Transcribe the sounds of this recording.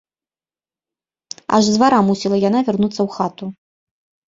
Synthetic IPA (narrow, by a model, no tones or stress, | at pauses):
a̰ʐzvaɾamusʲilˠɐjanavʲarnut̪sːɐwxat̪u